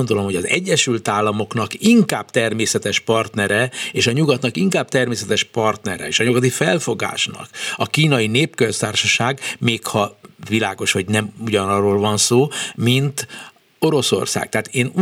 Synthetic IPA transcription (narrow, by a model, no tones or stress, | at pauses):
nd̪o̞lo̞mhoɟɒzɛ̰ɟːɛʃylt̪aːlːɒmo̞knɒkiŋkaːb̥̚t̪ɛrmeːsɛt̪ɛʃpɒrt̪nɛɾɛeːʃɒɲuɡɒt̪nɒkiŋkaːb̚t̪ɛrmeːsɛt̪ɛʃpɒrt̪nɛɾɛ̰eːʃɒɲuɡɒt̪̬ifɛlfo̞ɡa̰ːʃnɒ̰kɒkiːnɒineːpkøst̪aːrʃɒʃaːɡmeːkhɒvila̰ːɡo̞ʃhoɟnɛmuɟɒnɒrːoːlvɒnsoːmint̪ | o̞ɾo̞so̞̰rsa̰ːk̚t̪ɛɦːt̪eːn